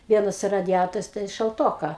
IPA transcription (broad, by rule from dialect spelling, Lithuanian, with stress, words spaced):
ˈʋʲiɛnɐs rɐdʲɪˈjæːtoːrʲʊs tʲɛn ʃɐlˠˈtoːkɐ